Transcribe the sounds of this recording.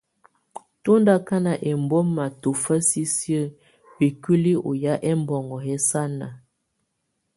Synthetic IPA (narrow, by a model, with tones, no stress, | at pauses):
to˦nda˦ka˦na˨ʔɛ˨mbo˦mma˨to˨fə˦si˦sjə˦˨ | bi˨ki˦li˦ʔo̰˨ja˦ʔɛ˦m˦bɔ˨ŋɡɔ˨hɛ˦sa˦na̰˨